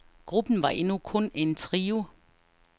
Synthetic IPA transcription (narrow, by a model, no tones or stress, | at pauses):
ɡ̥ʁub̥n̩ʋɑ̈ʔe̝nukʰɔ̽ne̝nt͡sʰʁiːʊ